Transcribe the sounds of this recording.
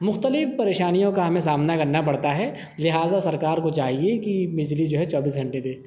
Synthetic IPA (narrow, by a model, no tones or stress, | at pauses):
mʊxt̪əlɪfpɐɾeːʃaːnijõkaɦɐmẽsaːmnakɐɾnapɐɽt̪aɦɛ | lɪɦaːzasɐɾkaːɾkot͡ʃaːɦiekibɪd͡ʒlid͡ʒoːɦɛt͡ʃɔːbiːsɡʱɐ̃ɳʈed̪eː